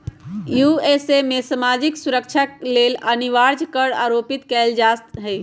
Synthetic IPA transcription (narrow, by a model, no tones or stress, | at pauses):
jjuesemesəmad͡ʒiksuɾək̚t͡ʃʰaleləniʋaɾd͡ʒkəɾaɾopit̪kɛld͡ʒast̪ɦɛ